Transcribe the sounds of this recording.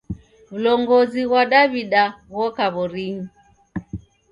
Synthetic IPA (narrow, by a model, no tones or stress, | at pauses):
ulɔŋɡɔziɣwaɗaβiɗaɣɔkaβɔɾiɲi